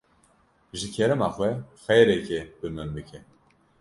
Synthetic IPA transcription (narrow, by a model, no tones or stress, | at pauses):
ʒɨkʰɛɾɨmaxwɛxɛɾɛkʰɛbɨmɨmbɨkʰɛ